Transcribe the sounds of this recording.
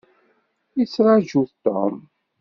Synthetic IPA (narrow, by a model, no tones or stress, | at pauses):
it͡sːɾˤɑʒuθt̪ːo̰m